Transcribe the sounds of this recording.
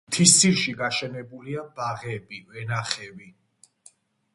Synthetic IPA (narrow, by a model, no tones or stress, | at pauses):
mt̪ʰist̪siʃiɡaʃɛnɛbuliabaʁɛbivɛnaχɛvi